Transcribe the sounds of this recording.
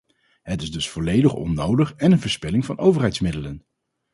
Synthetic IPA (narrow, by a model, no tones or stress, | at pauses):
ɦətɪzdɵsfɔlejdəχɔ̰nowdəχɛnənvəɹspɪlɪŋvɑnowvəɹɦɛjtsmɪdələn